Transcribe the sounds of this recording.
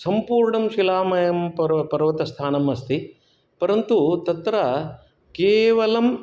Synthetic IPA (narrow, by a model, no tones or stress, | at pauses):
sɐmpuːɾɳɐmʃilaːmɐjɐmpɐɾpɐɾʋɐt̪ɐst̪ʰaːnɐmɐst̪i | pɐɾɐnt̪ut̪ɐt̪ɾɐ | keːʋɐlɐm